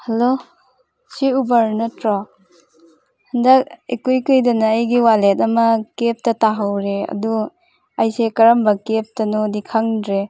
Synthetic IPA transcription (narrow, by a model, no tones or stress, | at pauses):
hɐlo | siubaɾnɐtɾɔ | handɐk̚ekujkɯjdɐnaːjɡiwalet̚ɐmɐkep̚tɐtaɦawɾeɐ̰du | ajsekɐɾɐmbɐkep̚tɐnodikʰaŋdɾe